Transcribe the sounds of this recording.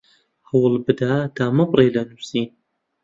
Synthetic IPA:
hɐwɨlbɨd̪ad̪aːmɐbrejlɐnusiːn

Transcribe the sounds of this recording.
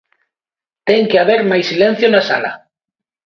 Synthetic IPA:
t̪eŋkeaβ̞eɾmajsːilẽn̟θjonasa̰la̰

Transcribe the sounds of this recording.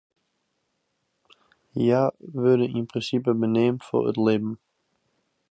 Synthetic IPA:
jaʋødəʔinpʰʁĩnsip̬əbənemtfɔ̰ə̰tlebm̩

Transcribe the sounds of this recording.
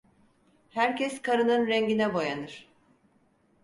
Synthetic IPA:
hæɾcʰɛskʰaɾɯnɯnɾɛɲɟinɛbo̞janɯɾ̥

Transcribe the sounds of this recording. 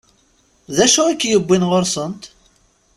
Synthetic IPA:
ðæʃuækːjəbːinʁoɾsənt̪

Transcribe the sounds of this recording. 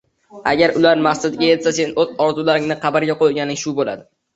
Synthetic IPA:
a̰ɡʲaɾʊlaɾmasɪd̪ɪɡʲaje̞t̪sase̞nozɒɾzulaɾɪŋnɪqʰɑbaɾɡʲaqojɡʲanɪŋʃʊbola̰d̪ɪ

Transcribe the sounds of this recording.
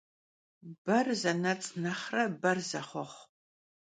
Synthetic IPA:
b̥ɐrzɐnɐt͡sʼnɐχrɐbɐrzɐχʷɔχʷ

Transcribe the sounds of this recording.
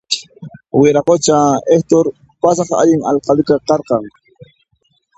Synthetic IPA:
wɪɾɑqot͡ʃaeht̪oɾ | pasɑχa̰ʎɪŋɑ̰lqɑlɪkaqɑɾqɑŋ

